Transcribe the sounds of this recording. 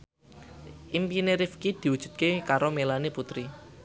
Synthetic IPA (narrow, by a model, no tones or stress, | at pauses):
ʔimpineɾifkid̪̥i̤wud̥ʒ̥ṳt̪̚kekaɾomelaneput̪ɾi